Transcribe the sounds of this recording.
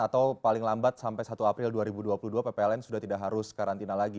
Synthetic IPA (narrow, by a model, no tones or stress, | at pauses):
at̪awpalɪŋlambat̪̚sampajsat̪uapɾɪlduaɾibuduapuluduapepeɛlɛnsudaht̪idaʔɦaɾʊskaɾant̪inalaɡi